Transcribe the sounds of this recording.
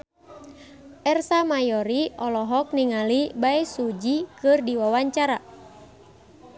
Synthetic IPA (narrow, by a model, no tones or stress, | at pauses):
ʔɛrsamajɔɾiʔɔlɔɦɔk̚niŋalibaɛsud͡ʒikɨrdiwawaɲt͡ʃaɾa